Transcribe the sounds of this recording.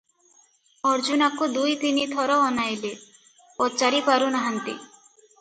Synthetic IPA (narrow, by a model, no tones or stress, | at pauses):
ɔɾd͡ʒunakud̪ujt̪init̪ʰɔɾɔːnajle | ɔt͡ʃaɾipaɾunaɦant̪ḭ